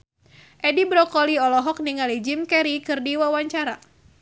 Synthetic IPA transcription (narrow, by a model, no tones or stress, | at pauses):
ʔɛdibɾɔkɔliɔlɔɦɔk̚niŋalid͡ʒimkɛɾikɨrdiwawaɲt͡ʃaɾa